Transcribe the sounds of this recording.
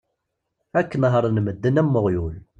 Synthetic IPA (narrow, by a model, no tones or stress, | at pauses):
ækːənɦəɾˤnməd̪ːənæmːʊʁjul